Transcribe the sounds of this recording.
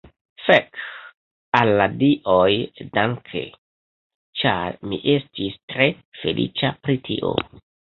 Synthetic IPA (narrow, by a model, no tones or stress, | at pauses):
fek | alːadiʔojdaŋkʰḛ | t͡ʃaɾmḭʔe̞stistɾe̞ | fe̞lʔḭt͡ʃapɾitʰiʔo̞̰